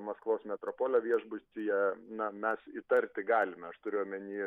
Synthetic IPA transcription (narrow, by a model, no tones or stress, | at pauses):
mɐskʋoːsmʲɛt̪ɾoːpoːlʲɛʋʲiɛʒbʊsʲt̪ʲijɛnɐmʲɛsit̪ɐrʲt̪ʲɪɡɑːlʲɪmʲɛɐʃt̪ʊɾʲɪjoːmʲɛnʲiː